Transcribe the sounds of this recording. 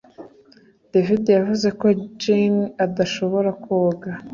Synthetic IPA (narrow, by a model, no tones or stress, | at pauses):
d̥evidejavuze̞ko̞d͡ʒinadaʃo̞βo̞ɾakoːɡa